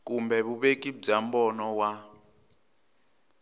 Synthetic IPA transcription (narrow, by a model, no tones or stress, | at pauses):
kumbɛβuβekʼib͡ʐambɔnɔwa